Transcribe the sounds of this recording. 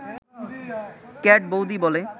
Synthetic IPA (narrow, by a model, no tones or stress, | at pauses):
kɛʈ̚bowd̪ibɔle